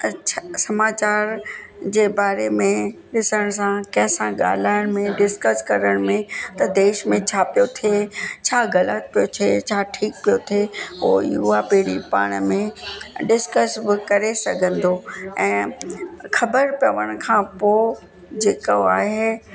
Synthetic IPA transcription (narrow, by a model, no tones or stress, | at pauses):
t͡ɕʰasɐmaːt͡ɕaːɾd͡ʑeːbaːɾemẽɗɪsəɽ̃sãkɐ̃ɦɪ̃sãɠa̰ːl̤aːɪɽ̃mẽɖɪskəskɐɾəɽ̃mẽt̪ɐd̪eːʃmẽt͡ɕʰaːpijot̪ʰiet͡ɕʰaːɣɐlət̪̚pijot͡ɕʰet͡ɕʰaːʈʰiːk̚pijot̪ʰieo̰ːiʊɦapiɦɽipa̰ːɽ̃mẽɖɪskəsbɪkɐɾesɐɡʱə̃nd̪oɛ̃ː | xɐbəɾpjɐʋəɽ̃kʰãpoː | d͡ʑeːkoaːɦe